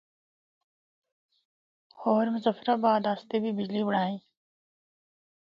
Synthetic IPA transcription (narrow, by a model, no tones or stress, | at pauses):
hoːɾmzəfɾabaːd̪aːst̪ebibid͡ʑlibɽãːĩ